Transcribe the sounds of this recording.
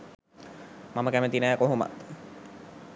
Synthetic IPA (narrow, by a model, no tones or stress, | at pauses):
maməkæmət̪inæːkoɦoma̰t̪